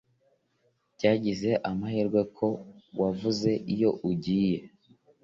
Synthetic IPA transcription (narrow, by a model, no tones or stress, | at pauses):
caːɟize̞ʔamahiːɾɡwe̞kʰo̞wavuze̞ʔijo̞ʔuɟiːje̞